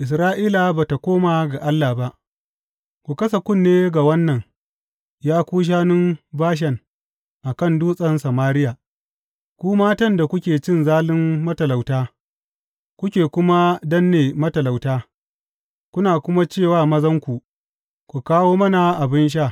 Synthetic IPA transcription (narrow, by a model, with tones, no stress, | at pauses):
ʔɪ˨s̬ɾaː˦ʔiː˦la˨baː˨ta˨kʷoː˦maː˨ɡa˨ʔa˦lːa˨ba˦ʔ | kʷu˨kɐ˦s̬a˨kʷʊ˦˨nːeː˦ɡa˨wɐ˦nːɐ˨ŋ | jaː˦kʷuː˦ʃ̬aː˦nʊ˦mbaː˦ʃ̬ɐ˨ŋ | ʔa˨kɐ˦˨nduː˦sʼɐ˨nsɐ˨maː˦ɾɪ˦ja˨ | kʷuː˦maː˦tɐ˦nda˨kʷʊ˦kʲeː˨t͡ʃɪ˦nzaː˦lɪ˦mːɐ˦tɐ˨la˨wtaː˦ | kʷʊ˦kʲeː˨kʷʊ˦ma˦dɐ˦nːeː˨mɐ˦tɐ˨la˨wtaː˦ | kʷʊ˦naː˨kʷʊ˦ma˦t͡ʃeː˦˨waː˦˨mɐ˦zɐ˦ŋkʷu˨ | kʷu˨kaː˦woː˦mɐ˦na˨ʔa˨bɪ˦nʃ̬aː˦˨